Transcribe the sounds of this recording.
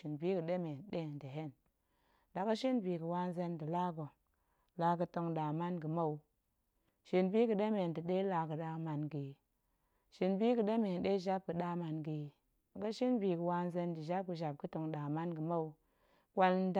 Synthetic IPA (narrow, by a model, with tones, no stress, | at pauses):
i˨nbi˦ɡə˨ɗe˦me˨nɗe˦˨ndə˨ɦe˦˨n | da˨ɡə˦ʃi˦nbi˨ɡə˨wa˦n˦ze˧ndi˨la˦ɡo˨ | la˨˦ɡə˨to˧ŋɗa˨ma˦nɡə˨ma˦u˨ | ʃi˨nbi˦ɡu˨ɗe˦me˨ndi˨ɗe˦la˨kə˨ɗa˨ma˨nɡi˨ | ʃi˨nbi˦kə˨ɗe˦me˨nɗe˦˨ʒa˦b̚kə˨ɗa˦ma˨nɡi˨ | ɡa˦ʃi˦nbi˨ɡə˨wa˧nze˧ndi˨ʒa˦b̚kə˨ʒa˨b̚kə˦to˧ŋɗa˨ma˦nɡə˨ma˦u˨ | kʷa˦n˦d